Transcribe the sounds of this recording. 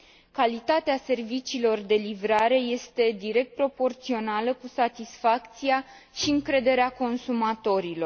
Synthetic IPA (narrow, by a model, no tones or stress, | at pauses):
kalit̪at̪ease̞rvit͡ʃiːlo̞rd̪e̞livɾaɾe̞je̞st̪e̞d̪iɾe̞k̚t̪̚pɾo̞po̞rt̪sio̞naləkusat̪isfakt̪sia | ʃiɨŋkɾe̞d̪e̞ɾeako̞nsumat̪o̞ɾilo̞r